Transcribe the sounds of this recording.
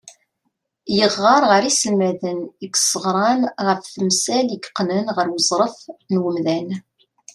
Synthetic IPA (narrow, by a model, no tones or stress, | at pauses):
jəʁːɑɾˤʁəɾisəlmæðəniɡsˤəʁɾˤɑmʁəfθəmsæləɡqːnənʁəɾwəzˤɾˤəfnwəmðæn